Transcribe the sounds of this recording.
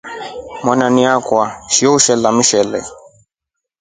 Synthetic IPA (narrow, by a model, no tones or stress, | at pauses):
mwananiakwaʃijɔuʃɛlamiʃɛlɛ̰